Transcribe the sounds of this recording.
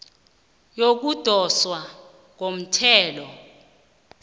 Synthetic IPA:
jok̬ud̥ʱɔswa | ŋom̩tʰɛːlɔ

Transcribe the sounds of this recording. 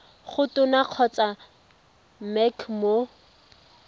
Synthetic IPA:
χʊtʊnaq͡χʰɔt͡sʼa | mɛkʰmo

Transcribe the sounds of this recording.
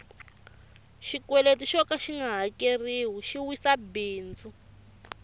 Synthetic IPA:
ʃikwɛletiʃɔkaʃiŋɡʱaɦakeriːwuʃiwisabiːnd͡zu

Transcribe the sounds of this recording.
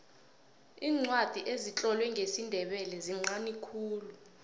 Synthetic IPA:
iːŋ͡ǀwad̥ʱiʔezit͡ɬʼɔlwɛŋʱesindʱɛɓɛlɛziŋ͡ǀanikʰuːlu

